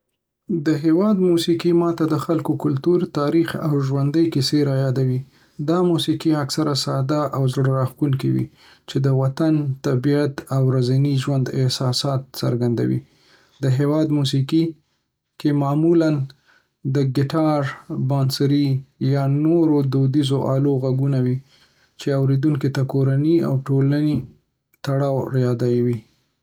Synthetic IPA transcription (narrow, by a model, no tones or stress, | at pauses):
d̪əɦewɑd̪musikimɑt̪ad̪əxalkokʊlt̪uɾt̪ɑɾixa̰wʒwand̪əjkiseɾɑjɑd̪awi | d̪ɑmusikiaksaɾasɑd̪aʔawzɽɾɑxkuŋkiwḭ | t͡ʃed̪əwat̪ant̪abijat̪awɾazaniʒwand̪ɪ̰hsɑsɑt̪̚sə̰ɾɡand̪a̰wḭ | d̪əɦewɑd̪mus̬iki | kemɑmulan | d̪əɡɪʈɑɾbɑnsɾijɑnoɾod̪od̪izoʔɑloɣaɡunawi | t͡ʃeawɾed̪uŋk̬it̪akoɾania̰wʈolani | t̪aɽɑwɾjɑd̪ajwi